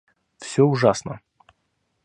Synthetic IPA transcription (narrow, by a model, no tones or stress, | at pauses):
fsʲoʊʐasnə